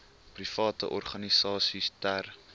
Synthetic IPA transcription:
prifɑːtə̰ʔɔrχɐnisɑːsistær

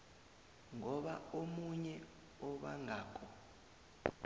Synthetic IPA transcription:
ŋɔɓaomuɲɛ | ɔɓa̰ŋʱaːk̬ʰʼɔ

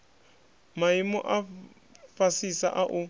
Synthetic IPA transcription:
maimɔ̰ʔa | fasisa̰ʔaʔu

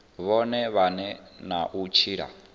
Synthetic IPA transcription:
βɔnɛβanɛnaʔut͡ʃʰiːɺa̰

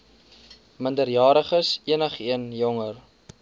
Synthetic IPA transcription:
məndərjɑːɾəχəsiənəχiənjɔŋər

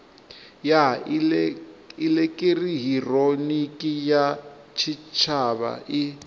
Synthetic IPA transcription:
ja | ilɛkʼiriɦironikʼija | t͡ʃʰit͡ʃʰaβa̰ʔi

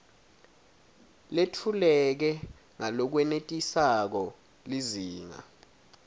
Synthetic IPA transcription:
letʰulɛk̬ɛ | ŋalɔk̬wɛnetʼisak̬ɔ | liziːŋa̰

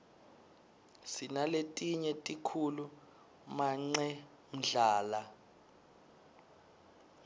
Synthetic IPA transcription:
sinaletʼiɲɛtʼikʰulu | maŋ͡ǀɛ | m̩ɮaːla

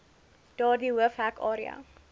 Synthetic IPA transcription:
d̥ɑːdiwəfhækɑːɾia̰

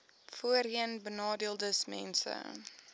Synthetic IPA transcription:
fuərɦiənbənɑːdiəlˠdəsmɛ̰nsə̰

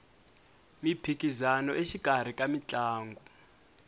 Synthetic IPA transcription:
mipʰikʼizanɔeʃikʼar̤ikʼamit͡ɬʼaːŋɡʱɔ

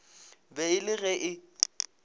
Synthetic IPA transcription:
bɛɪlɪɣɛʔɪ

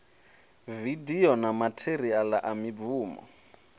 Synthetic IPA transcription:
vidiɔnamatʰerialaʔamib̪vuːmɔ̰

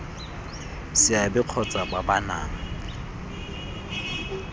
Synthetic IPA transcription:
sɪabɪq͡χʰɔt͡sʼababana̰ːŋ̩

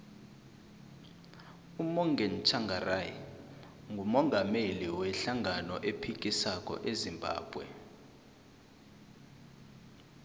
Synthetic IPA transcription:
umɔŋɡʱɛn̩t͡ʃʰaŋɡʱaraji | ŋɡʱumɔŋɡʱameliwɛɬaŋanɔʔepʰik̬ʼisakʼɔ̰ʔezimbʱa̰ːb̥ʱwɛ̰

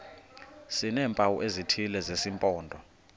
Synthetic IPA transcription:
sinɛːmpʼawṵʔezitʰilɛzesimpʼɔːndʱɔ

